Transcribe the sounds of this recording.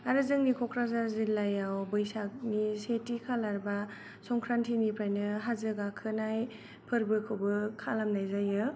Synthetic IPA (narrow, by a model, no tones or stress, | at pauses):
aɾɯzɯŋnikʰɔkʰɾazaɾzilːajawbɯjsanisetikʰalaɾba | sɔŋkʰɾantʰinipʰɾajnɯɦazɯɡakʰɯnaj | pʰɯɾbɯkʰobɯkʰalamnajzajɯ